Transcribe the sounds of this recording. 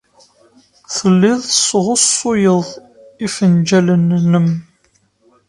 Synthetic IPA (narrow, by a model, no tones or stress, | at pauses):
θəlːiðˤsʁʊsːʊjəðˤ | ifənd͡ʒælənːəm